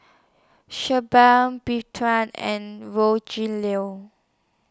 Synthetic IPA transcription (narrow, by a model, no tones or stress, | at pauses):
ʃəbambitʰɹãnɛ̰̃nɹod͡ʒĩlio